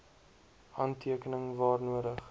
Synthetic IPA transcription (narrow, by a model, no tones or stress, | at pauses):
hɐntʰiəkənəŋvɑːrnuəɾəχ